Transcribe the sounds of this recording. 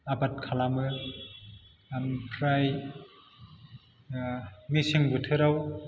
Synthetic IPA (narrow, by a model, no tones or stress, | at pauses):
abat̚kʰalamɯ | mpʰɾaj | misiŋbɯtʰɯɾaw